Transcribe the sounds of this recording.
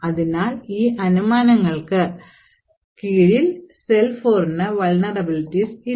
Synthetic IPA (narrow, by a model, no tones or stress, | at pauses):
ɐðinaːliːʔɐnumaːnɐŋːɐɭkɨ | kiːɻilselfoːrnɨʋɐɭnɐrɐbilitːisi